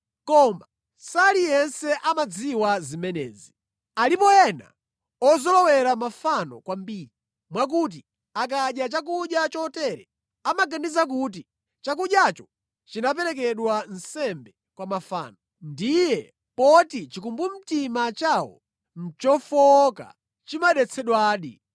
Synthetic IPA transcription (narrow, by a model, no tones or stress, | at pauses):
kɔma | salijɛnsɛʔamad͡ziwazimɛnɛ̰ːzi | alipɔjɛna̰ | ɔzɔlɔwɛɾamafanɔ̰kwambiːɾi | mwak̬ut̬i | ak̬aɗjat͡ʃak̬uɗjat͡ʃɔtɛɾɛ | amaɡandizak̬ut̬i | t͡ʃak̬uɗjat͡ʃɔ̥ | t͡ʃinap̬ɛɾɛk̬ɛɗwan̩sɛmbɛ | kwamafa̰ːnɔ | ndijɛ | pɔtit͡ʃikumbum̩timat͡ʃawɔ̰ | n̩t͡ʃɔfɔka̰ | t͡ʃimaɗɛt͡sʰɛɗwaːɗḭ